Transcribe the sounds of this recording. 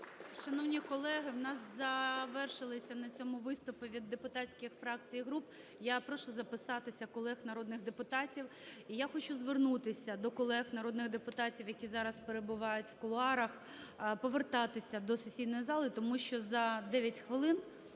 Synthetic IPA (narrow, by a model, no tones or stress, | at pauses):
ʃɐnɔwnʲikɔlˠɛɦɪwnɑszɐʋɛrʃɪlˠɪsʲɐnɐt͡sʲɔmʊʋɪst̪ʊpɪʋʲid̪ːepʊt̪ɑt͡sʲkʲɪxfɾɑk̚t͡sʲijiɦɾup̚ | japɾɔʃʊzɐpɪsɑt̪ɪsʲɐkɔlˠɛxnɐɾɔd̪nɪɣd̪epʊt̪ɑtʲiwijaxɔt͡ʃuzʋernut̪ɪsʲɐd̪ɔkɔlˠɛxnɐɾɔd̪nɪɣd̪epʊt̪ɑtʲiwjɐkʲizɑɾɐspeɾebʊʋɑjʊtʲwkɔlˠʊɑɾɐx | pɔʋert̪ɑt̪ɪsʲɐd̪ɔsesʲijnɔjizɑlˠɪt̪ɔmuʃt͡ʃɔzɐd̪ɛʋʲjɐtʲxʋɪlˠɪn